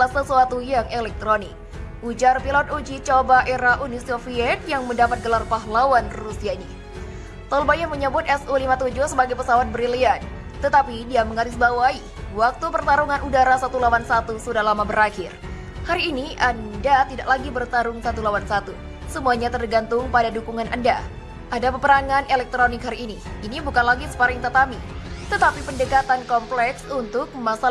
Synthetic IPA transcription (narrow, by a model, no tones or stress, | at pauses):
lasəsuat̪ujaŋelɛk̚t̪ɾonɪk̚ | ud͡ʒarpilɔt̪̚ud͡ʒit͡ʃobaʔeɾaʔunisofiɛt̪̚jaŋməndapat̪̚ɡəlarpaɦlawanrusiaini | t̪ɔlbajaməɲəbʊt̪ɛsulimat̪ud͡ʒuhsəbaɡajpəsawat̪̚bəɾilian | t̪ət̪apidiaməŋaɾɪsbawai | wak̚t̪upərt̪aɾuŋanudaɾasat̪ulawansat̪usudahlamabəɾakɪr | haɾiːniʔandat̪idaʔlaɡibərt̪aɾʊŋsat̪ulawansat̪u | səmuaɲat̪ərɡant̪ʊŋpadadukuŋanʔa̰nda̰ | ʔadapəpəɾaŋanelɛk̚t̪ɾonɪkhaɾiːniinibukanlaɡisə̥paɾɪŋt̪at̪ami | t̪ət̪apipəndəkat̪ankɔmplɛksunt̪ʊk̚masa